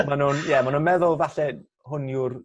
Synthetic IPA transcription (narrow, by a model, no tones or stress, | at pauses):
manunjɛmanuːnmɛðʊlˠvaɬɛ | ɦʊnjʊr